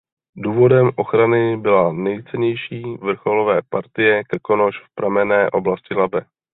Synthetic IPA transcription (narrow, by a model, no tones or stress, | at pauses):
duːvo̞dɛmʔo̞xɾanɪbɪlanɛjt͡sɛɲɛjʃiːvr̩xo̞lovɛːpaɾt̪ɪjɛkkonoʃfpɾamɛnɛːʔo̞blascɪlabɛ